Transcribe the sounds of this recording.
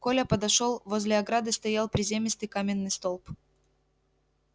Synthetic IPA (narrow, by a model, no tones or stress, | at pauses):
kolʲəpəd̪ɐʂolˠvo̞zʲlʲɪɐɡɾad̪ɨst̪ɐjalˠpɾʲɪzʲemʲɪst̪ɨjkamʲɪnːɨjst̪o̞lˠp